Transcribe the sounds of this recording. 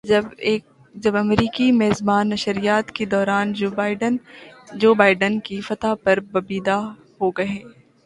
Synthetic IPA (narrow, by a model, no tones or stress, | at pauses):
bː | d͡ʒɐbɐmɾiːkimɛːzbaːnːɐʃəɾijaːt̪ked̪ɔːɾaːnɖnd͡ʒoːbaːɪɖənkifɐt̪apɐɾbɐbiːd̪a | hoɡɐɦẽː